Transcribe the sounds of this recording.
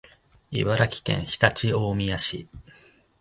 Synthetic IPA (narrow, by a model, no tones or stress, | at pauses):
ḭbaɾakʲi̥kẽ̞̰ɰ̃çi̥t̪at͡ɕioːmʲijaɕḭ